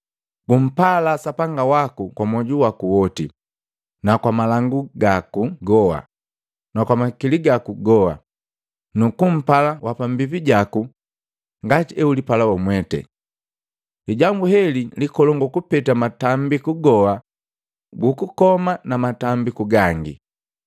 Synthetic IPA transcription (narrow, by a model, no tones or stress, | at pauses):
ɡ̥um̩palasapaŋɡawakukwamwɔɟuwakuwɔtḭ | nakwamalaŋɡuɡakuɡɔha̰ | nakwamakiliɡakuɡɔa̰ | nukum̩palawapambipiɟaku | ŋɡatiɛulipalawɔmwɛtɛ̰ | liɟambuhɛlilikɔlɔŋɡukupɛtamatambikuɡɔa | ɡukukɔmanamatambikuɡaŋɡḭ